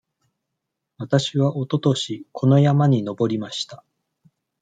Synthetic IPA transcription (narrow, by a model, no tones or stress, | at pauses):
βat̪aɕiβaʔo̞t̪o̞t̪o̞ɕikʰo̞no̞jamaɲ̟ino̞bo̞ɾʲimaɕi̥t̪ḁ